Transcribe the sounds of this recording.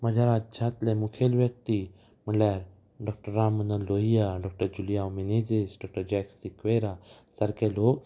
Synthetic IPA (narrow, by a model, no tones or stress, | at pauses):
məd͡ʑʱaɾat̪̚d͡ʑʱat̪lemukʰelʋjək̚t̪i | m̤əljaɾ | ɖɔk̚ʈəɾːamənəloɦijaɖɔk̚ʈəɾd͡ʑuljamined͡zisɖɔk̚ʈəɾd͡ʑɛksikʋeɾasəɾkelok